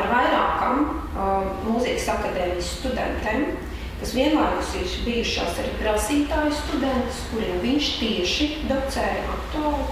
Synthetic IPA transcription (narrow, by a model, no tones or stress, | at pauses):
aɾvajɾaːkam | muːziksakad̪ɛːmijst̪ud̪ɛ̰nt̪ɛm | k̪asʋiɛnlˠajku̥siɾbijuʃa̰ːsaɾiːpɾasiːt̪aːjust̪ud̪ɛnt̪skuɾiɛmviɲʃt̪iɛʃid̪ɔkt̪sɛːj̰a̰kt̪uaːlˠ